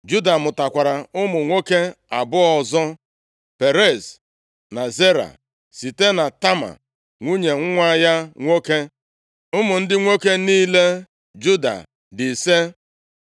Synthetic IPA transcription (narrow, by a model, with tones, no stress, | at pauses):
d͡ʒu˦da˨mʊ˨ta˨kʷa˨ɾa˨ʊ˦mʊ˨ŋʷo˦ke˦a˨bʊ˦ɔ˨zɔ˦ | pe˨ɾe˦˨s | na˨ze˦ɾa̰˨ | si˨te˦na˨ta˦ma̰˨ | ŋʷu˦ɲe˨ŋ̩˦ŋʷa˦ja˦ŋʷo˦ke˦ | ʊ˦mʊ˨n̩˦dɪ˦ŋʷo˦ke˦niː˦le˦ | d͡ʒu˦da̰˨ | dɪ˨se˦